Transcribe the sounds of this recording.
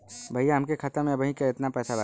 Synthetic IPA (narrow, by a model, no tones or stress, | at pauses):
bʱəijaɦɐmkekʰət̪əɾmẽɐbəɦĩkeɪt̪napɛːsala